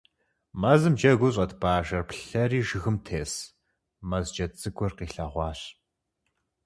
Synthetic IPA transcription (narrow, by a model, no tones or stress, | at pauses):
mɐzɨmd͡ʒɐɡʷʊɕ̬ʼɐtʰbaːʒɐrpɬɐriːʒɨɣɨmtʰeːs | mɐzd͡ʒɐt͡sʼɨɡʷʰʼɔrqiːɬaʁʷɑːɕ